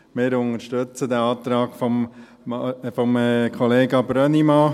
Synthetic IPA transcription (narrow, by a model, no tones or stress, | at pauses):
mɪːɾʊnəɾʃtøt͡səd̪æɑːt̪ɾɑːɡfɔ | fɔmkʰχɔleːɡɑbɾœnimɑ